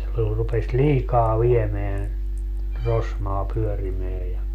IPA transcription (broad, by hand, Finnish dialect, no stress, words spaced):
se ol rupes liːkɑː ʋiemeæn rosmɑː pyørimeæ jɑ